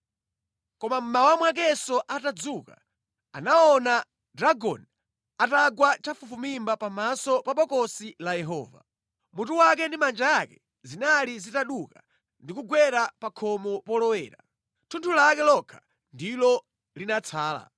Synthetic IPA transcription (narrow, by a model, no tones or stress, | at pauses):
kɔmam̩mawamwak̬ɛsɔʔatad͡zuka̰ | anaɔna | dɾaɡɔ̰n | ataɡwat͡ʃafufumimbapamasɔpaɓɔkɔsilajɛɦɔ̰ːva̰ | mutuwak̬ɛndimand͡ʒajakɛ̥ | zinalizitaɗuka | ndikuɡwɛɾapakʰɔmɔpɔlɔwɛːɾa̰ | tʰuntʰulakɛlɔkʰḁ | ndilɔ | linat͡sʰaːla̰